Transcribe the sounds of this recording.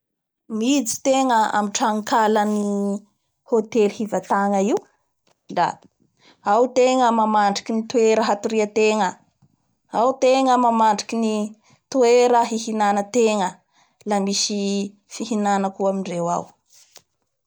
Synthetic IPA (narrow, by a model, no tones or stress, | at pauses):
mid͡zi̥t̪eŋəa̰miʈ͡ʂaŋkaləni | hot̪elhivət̪aŋəiw | la̰ | awt̪eŋəmamaɳɖ͡ʐikinit̪ueɾəɦat̪uɾiət̪eŋə | awt̪eŋəmamaɳɖ͡ʐi̥kini | t̪ueɾəɦihinanət̪eŋə | lamisi | fihinanəkuamiɳɖ͡ʐewa̰w